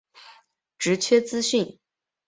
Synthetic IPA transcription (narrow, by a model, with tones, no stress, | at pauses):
ʈ͡ʂɻ̩˧˥t͡ɕʰɥɛ˥t͡sɹ̩˥ɕy˥˩n